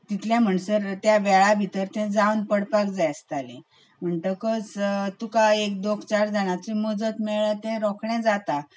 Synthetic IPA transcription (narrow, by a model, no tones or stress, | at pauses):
t̪it̪ʰljãm̤əɳsəɾt̪jaʋɛɭabʱit̪əɾt̪ɛ̃d͡zawnpəɽpakd͡zajst̪alĩ | m̤əɳt̪əkəst̪ukaek̚d̪okʰt͡ɕaɾd͡zaɽ̃at͡ɕiməd͡zət̪mɛɭət̪ɛ̃ɾɔkʰɳɛ̃d͡zat̪a